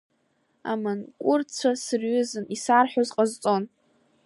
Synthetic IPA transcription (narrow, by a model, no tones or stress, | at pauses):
a̰mɨnkʷʼʊrt͡sʷʰasɨrɥʏzɨnisarħʷozqʼazt͡sʼo̞n